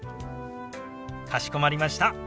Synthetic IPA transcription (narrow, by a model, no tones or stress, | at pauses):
kʰaɕi̥ko̞maɾʲimaɕi̥t̪a